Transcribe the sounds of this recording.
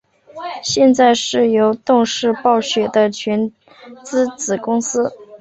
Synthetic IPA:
ɕjɛ˥˧nt͡sa˥˧ɪʂɻ̩˥˩jo˧˥ʊt̪ʊ˥˧ŋʂɻ̩˥˧pɑ˥˩ʊɕɥɛ˨˩d̪ə˦t͡ɕʰɥɛ˧˥n | t͡sɹ̩˥t͡sɹ̩˨˩kʊ˥ŋsɹ̩˥

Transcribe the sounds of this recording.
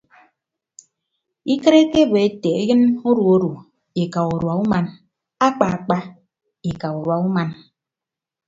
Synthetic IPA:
i˦kɨ˦ɾe˦ke˦be˨e˦te˨e˦jɨ˦no˦ɾu˨o˦ɾu˨ | e˨ka˨u˨ɾwa˨u˦ma˨n | a˦k͡pa˨a˨k͡pa˦ | e˨ka˨u˨ɾwa˨u˦ma˨n

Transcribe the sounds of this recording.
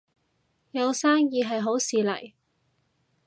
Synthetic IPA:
jɐ˨˧wsaː˥ŋjiː˧ɦɐ˨jɦo˨˥wsiː˨lɐ̰˨˩j

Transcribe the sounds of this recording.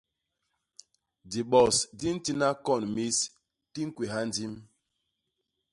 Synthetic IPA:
di˨ɓɔ˨sdi˦n̩˦ti˦na˦kɔ˦˨nmi˦s | ti˦ŋ̩˦kwi˨ɦa˦n˦di˦m

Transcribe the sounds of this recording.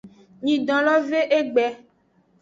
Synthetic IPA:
ɲĩ˨ɖɔ̃˨lɔ˦ve˦ʔe˦ɡ͡bɛ˨

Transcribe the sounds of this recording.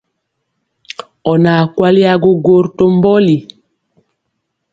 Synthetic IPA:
ɔ˨na˨kwa˦li˦a˦ɡo˦ɡo˦˨ɾto˦mbɔ˦li˨

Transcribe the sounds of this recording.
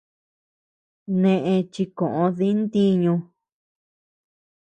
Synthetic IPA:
nẽ˧ʔẽ˧t͡ʃi˧kõ˨ʔõ˧ði˦nd̪i˦ɲũ˧

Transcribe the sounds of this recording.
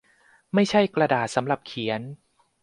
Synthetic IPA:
ma˥˩jt͡ɕʰa˥˩jkɾa˧daː˨˩t̪̚sa˩˦mɾa˨˩p̚kʰi˩˦ən

